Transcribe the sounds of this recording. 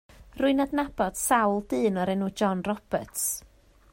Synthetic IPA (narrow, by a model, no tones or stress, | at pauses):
rʊɨnadnab̥ɔd̥sawlˠdɨːnɔɾɛnuːd͡ʒɔnrɔb̥əts